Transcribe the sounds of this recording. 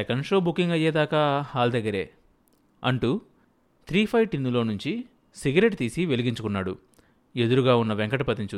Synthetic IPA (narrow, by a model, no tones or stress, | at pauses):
ekɐnʂoːbukːiŋɡɐjːeːd̪aːkaːhaːld̪ɐɡːɐɾe̞̰ː | ɐɳʈu | t̪ʰɾiːpʰɐjʈinːulo̞ːnuɲt͡ʃi | siɡɐɾe̞ʈt̪iːsiʋe̞liɡiɲt͡ʃukunːaːɽṵ | e̞d̪uɾuɡaːunːɐʋeŋkɐʈɐpɐt̪iɲt͡ʃu